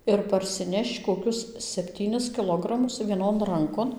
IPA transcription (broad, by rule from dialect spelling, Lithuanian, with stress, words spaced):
ɪr pɐrʲsʲɪˈnʲɛʃt͡ʃ koːˈkʲʊs sʲɛpʲˈtʲiːnʲɪs kʲɪˈlˠoːɡrɐmʊs ʋʲiɛˈnoːn ˈrɐŋkoːn